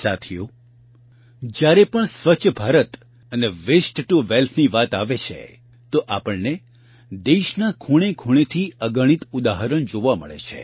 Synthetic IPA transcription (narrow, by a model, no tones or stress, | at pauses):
sat̪ʰijo | d͡ʒjaɾepəɳsʋət͡ʃʰəbʱaɾət̪ | əneʋesʈʈuʋelt̪ʰniʋat̪aʋet͡ʃʰḛ | t̪oʔapəɭne | d̪eʃnakʰuɽ̃ekʰuɽ̃et̪ʰiəɡəɽ̃it̪ud̪aɦəɾəɳd͡ʒoʋamə̰ɭḛt͡ʃʰḛ